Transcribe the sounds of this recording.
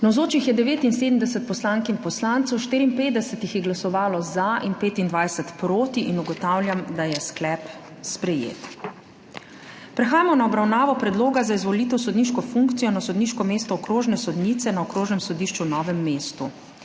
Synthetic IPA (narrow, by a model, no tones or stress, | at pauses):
nawzoːt͡ʃixjɛd̪ɛʋeːt̪inseːd̪əmd̪ɛsɛt̪̚pɔslaːŋkinpɔslaːnt̪sɔwʃt̪iːɾiːnpeːd̪ɛsɛt̪ixjɛɡlasɔʋaːlɔzaʔinpeːt̪ind̪ʋajsɛt̪pɾoːt̪iʔinuɡɔt̪aːwlʲjamd̪ajɛsklɛp | spɾɛjḛːt̪ | pɾɛxaːjamɔnaɔbɾawnaːʋɔpɾɛd̪loːɡazaizʋɔliːt̪ɛwsɔd̪niːʃkɔfuŋkt̪sijɔnasɔd̪niːʃkɔmeːst̪ɔɔkɾoːʒnɛsɔd̪nit̪sɛnaɔkɾoːʒnɛmsɔd̪iːʃt͡ʃunɔːʋɛmːeːst̪u